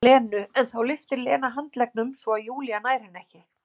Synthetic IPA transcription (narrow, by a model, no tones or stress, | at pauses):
ɛːnʏɛnθawlɪft̪ɪɾlɛːnaɦant̪lɛk̚nʏmsvɔajuːlijanaːjɾɪnɛhcɪ